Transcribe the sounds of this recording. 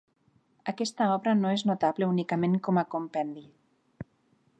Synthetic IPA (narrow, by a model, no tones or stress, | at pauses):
akɛst̪aɔβɾanoeznot̪aβleunikameŋkɔmakompɛnd̪i